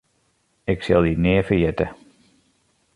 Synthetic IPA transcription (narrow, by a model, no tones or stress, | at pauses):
ɪksɪ̰lˠdinɪəfəɹjɛtə